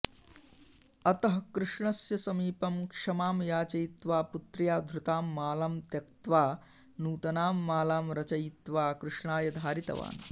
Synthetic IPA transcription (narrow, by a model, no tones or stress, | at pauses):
ɐt̪ɐɦɐkɾɪʂɳɐsjɐsɐmiːpɐmkʂɐmaːmjaːt͡ʃɐjt̪ʋaːput̪ɾjaːd̪ʱɾut̪aːmːaːlaːmt̪jɐkt̪ʋaː | nuːt̪ɐnaːmːaːlaːmɾɐt͡ʃɐjit̪ʋaːkɾɪʂɳaːjɐd̪ʱaːɾit̪ɐ̰ʋa̰ːn